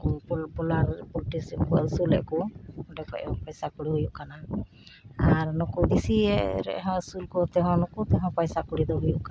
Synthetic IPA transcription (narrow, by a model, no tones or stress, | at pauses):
kubɔlaɾbulʈisipkuasulɛ̰ʔkɔɖɛkɔʔɛɔ̃pɔjsakuɽiɦujuʔkana | aɾnɔkud̪isiɛɾɛ̰ɦɔ̃uskulkɔt̪ɛɦɔ̃nɔkut̪ɛɦɔ̃pɔjsakuɽid̪ɔɦujuʔka